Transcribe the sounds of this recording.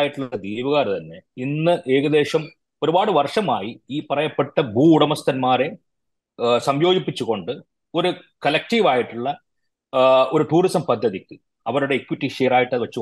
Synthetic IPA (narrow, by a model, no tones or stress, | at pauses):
jiʈːuɭːɐd̪ijʋuɣaːrt̪ɐnːe̞inːɨʔe̞ːɣɐðe̞ːɕɐm | o̞ɾubaːɽɨʋɐrʂɐmaːjiiːpɐrɐjɐpːeʈːɐbuːɽɐmɐst̪ɐnmaːɾe̞ | sɐmjo̞ːɡipːit͡ɕːuɣo̞ɳɖɨ | o̞ɾukɐlɐk̚ʈiʋaːjiʈːuɭːɐ | o̞ɾuʈuːrisɐmpɐd̪ʱːɐðikʲːɨ | ɐʋɐɾuɽe̞ːkwiʈːiʂeːraːjiʈːɐðɨʋɐt͡ɕːu